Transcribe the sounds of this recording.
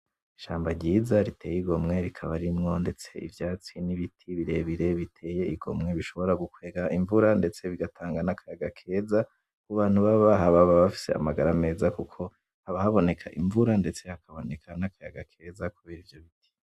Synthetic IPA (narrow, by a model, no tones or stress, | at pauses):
iʃaːmbaɾɟiːzaɾitʰe̞ːjiɡo̞mŋe̞ɾikʰaβaɾimŋo̞ndet͡se̞ḭvjaːt͡siniβitʰiβiɾe̞βiɾe̞βitʰe̞ːje̞iɡo̞̰mŋe̞βiʃo̞βo̞ɾaɡukwe̞ːɡaʔiɱvuɾande̞t͡se̞βiɡatʰaːŋɡanakʰajaɡakʰe̞ːza | kuβaːn̥huβaβaɦaβaβaβafi̥se̞̰a̰maɡaɾame̞ːzakukʰo̞ | haβahaβo̞ne̞kʰaʔiɱvuɾande̞t͡se̞hakʰaβo̞ne̞kʰanakajaɡakʰe̞ːzakuβeːɾivjo̞βiti̥